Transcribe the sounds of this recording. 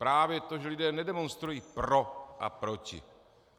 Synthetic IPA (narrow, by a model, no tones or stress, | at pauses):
pɾaːvjɛt̪oʒɛlidɛːnɛdɛmonst̪ɾujiːpɾoʔa̰pɾocḭ